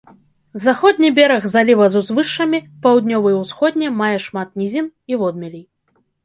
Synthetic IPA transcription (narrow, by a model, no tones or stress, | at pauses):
zaxɔd̪̚ʲnʲibʲɛɾɐɣzalʲivɐzuzvɨʂːɐmʲipawd̪nʲɔvɨjɛwsxɔd̪̚ʲnʲɛmajɛʂmat̪̚nʲizʲinivɔd̪mʲɛlʲij